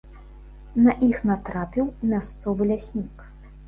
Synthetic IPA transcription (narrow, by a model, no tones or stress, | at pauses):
nɐʔixnat̪ɾapʲiwmʲast̪sɔvɨlʲasʲnʲik